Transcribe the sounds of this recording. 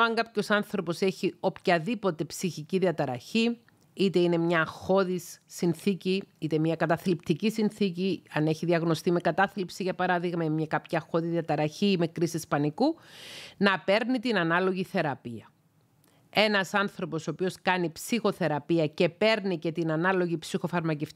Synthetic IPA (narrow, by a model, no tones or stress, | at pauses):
ɐŋɡɐpço̞sɐnθɾo̞po̞se̞çio̞pçɐðipo̞t̪e̞psiçiciðiɐt̪ɐɾɐ̰çi | it̪e̞ine̞mɲɐxo̞ðisːinθiciit̪e̞mɲɐkɐt̪ɐθlipt̪icisinθiciɐne̞çiðiɐɣno̞st̪ime̞kɐt̪ɐθlipsiʝɐpɐɾɐðiɣmɐemɲɐkɐpçɐːxo̞ðiðiɐt̪ɐɾɐçime̞kɾisispɐniku | nɐpe̞ɾnit̪inɐnɐlo̞ʝiθe̞ɾɐpiɐ | e̞nɐsɐnθɾo̞po̞soːpio̞skɐnipsixo̞θe̞ɾɐpiɐce̞pe̞ɾnice̞t̪inɐnɐlo̞ʝipsixo̞fɐɾmɐceft̪